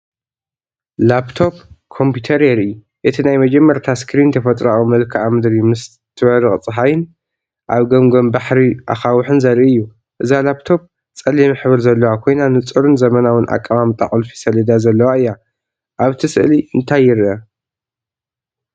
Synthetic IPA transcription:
lapt̪ʰo̞p̚kʰo̞mpʰjut̪ʰɐɾeɾɨjːu | ʔɨt̪ʰinajmɐd͡ʒɐmːɐɾt̪ʰaskʰɾint̪ʰɐfɐt̪ʼɾaumɐlkʰɨamɨd̪ɾimɨs | t̪ʰɨβɐɾɨχʼt͡sʼɨɦajɨn | ʔaβɡɐmɡombaħɾiʔa̰xawħɨnzɐɾʔiɨjːu | ʔɨzalapt̪ʰo̞p̚ | t͡sʼɐlimɨħβɨɾzɐlːɐwakʰo̞jnanɨt͡sʼɨɾɨnzɐmɐnawɨnʔa̰kʼːaβamt̪ʼa̰χʼlfi̥sɐlɐd̪azɐlːɐwaɨjːa | ʔaβt̪ʰɨsɨʔliʔɨnt̪ʰajːɪɾʔɐ

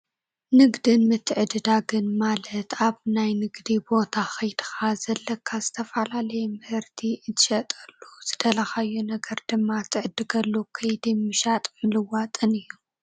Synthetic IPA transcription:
nɨɡd̪ɨnmɨt̪ʰʕɨd̪ɨd̪aɡɨnmalɐt̪ʰaβnajnɨɡd̪ibo̞t̪ʰaxɐjd̪ɨxazɐlːɐkʰːazɨt̪ʰɐfalalɐjɛmɨhɨɾt̪ʰiɨt̪ʰɨ̥ʃɐt̪ʼɐlːuz̥ɨd̪ʰɐlaxajːunɐɡɐɾd̪ɨmːat̪ʰɨʕɨd̪ːɨɡɐlːukʰɐjd̪ɨmɨʃat̪ʼmɨlɨwat̪ʼɨnɨjːu

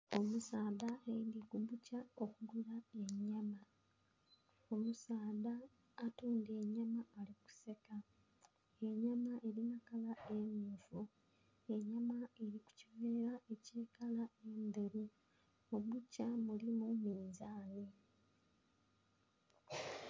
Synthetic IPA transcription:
o̞musaːðaeindiɡuβucaokuɡuɾae̞ɲama | o̞musaːðaː | tuːndeɲamaːliku̥se̞ka | e̞ɲamaʔe̞ɾinakalae̞muːfu | e̞ɲamaeɾiku̥ciβeːɾae̞ce̞ːkalae̞nd̪oɾu | muβucamulimumiːnzaːni

